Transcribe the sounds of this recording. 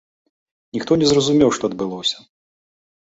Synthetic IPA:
nʲixt̪ɔnʲɛzrɐzumʲɛwʂt̪ɔɐd̪̚bɨlˠɔsʲɐ̥

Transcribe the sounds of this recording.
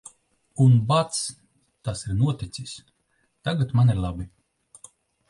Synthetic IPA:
unbat̪s | t̪asiɾnuɔt̪ʲit̪sis | t̪aɡat̪maniɾlˠabi

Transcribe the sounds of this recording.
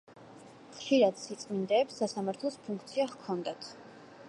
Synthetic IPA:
χʃiɾad̪sit̪sʼmind̪ɛːpsːasamaɾt̪ʰlˠɔspʰuŋk̚ʰt̪sʰiaχkʰɔnd̪at̪ʰ

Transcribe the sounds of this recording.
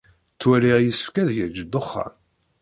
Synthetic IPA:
t͡sːwæɾiʁjəsə̥fkæðʝəɾd͡ʒəd̪oχːa̰m

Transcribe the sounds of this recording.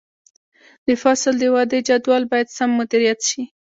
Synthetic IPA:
d̪̥əfɑsɪld̪əwɑd̪əd͡ʒad̪wɑlbɑjad̪samːʊd̪iɾijat̪ʃi

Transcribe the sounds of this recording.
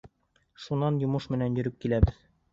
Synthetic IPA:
ʃunːɑnjŏmɤʃmɘ̆nænjɵ̆ɾɘp̚kilæbɘð

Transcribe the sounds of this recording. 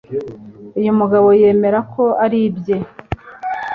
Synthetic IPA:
ujumuɡaβo̞je̞ːme̞ɾakʰo̞aɾibje

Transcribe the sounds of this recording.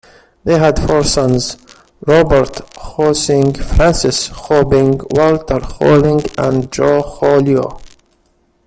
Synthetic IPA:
ðeɦæd̪fɔɹsʌ̃nz | ɾɔbəɾt̪hɔsɪ̃ŋɡfɾãnsɪshɔbɪ̃ŋɡwɔlt̪əɾhɔ̰lɪ̃ŋɡæ̃nd͡ʒɔhɔlio̰

